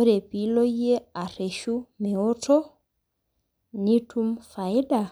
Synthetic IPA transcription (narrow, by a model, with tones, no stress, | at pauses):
o˦ɾe˨pi˨lo˦je˦a˨ɾe˨ʃu˦me˨o˦tʰɔ˦ | ni˦tʰu˦mfa˨jɗa˨